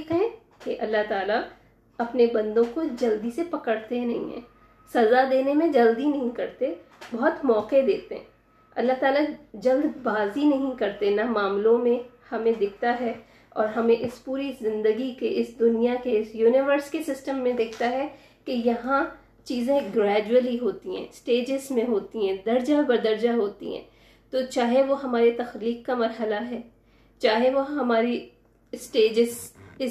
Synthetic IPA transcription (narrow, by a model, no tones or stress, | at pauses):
kɦẽ | keʔɐlːaɦt̪aːla | ɐpnebɐ̃nd̪õkod͡ʒɐld̪isepɐkəɽt̪enɐɦḭ̃ɦɛ̰̃ː | sɐzad̪eːnemẽd͡ʒɐld̪inɐɦĩkɐɾt̪ebɐɦʊt̪mɔːqed̪eːt̪eɦɛ̃ | ɐlːaɦt̪aːlad͡ʒɐld̪baːzinɐɦĩkɐɾt̪enamaːmlõmẽhɐmẽd̪ɪkʰt̪aɦɛ | ɔːɾɦɐmẽʔɪspuːɾizɪ̃nd̪əɡikeʔɪsd̪ʊnijakeɪsjuːnɪʋəɾskesɪsʈəmːẽd̪ɪkʰt̪aɦɛ | kejɐɦã | t͡ʃiːzẽɡɾɛːd͡ʒuəliɦoːt̪iɦɛ̰̃ːsʈeːd͡ʒɪzmẽɦoːt̪iɦɛ̃ːd̪ɐɾd͡ʒabɐɾd̪ɐɾd͡ʒaɦoːt̪ḭɦɛ̰̃ː | t̪ot͡ʃaːɦeʋoɦɐmaːɾet̪ɐxliːkkːamɐɾɦəlaɦɛː | t͡ʃaːɦeʋoɦɐmaːɾi | sʈeːd͡ʒɪsɪ